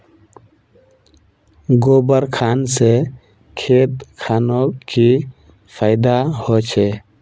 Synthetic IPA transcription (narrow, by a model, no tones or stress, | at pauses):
ɡoːbəɾkʰanse | kʰet̪kʰanoki | pʰaɪd̪ahot͡ʃʰe